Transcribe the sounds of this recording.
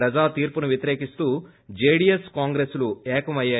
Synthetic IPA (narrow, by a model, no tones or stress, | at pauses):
ɾɐd͡ʒaːt̪iːɾpunuʋjɐt̪iɾe̞ːkist̪uː | d͡ʒeːɽijeskaːŋɡɾesluɛːkɐmɐjːaː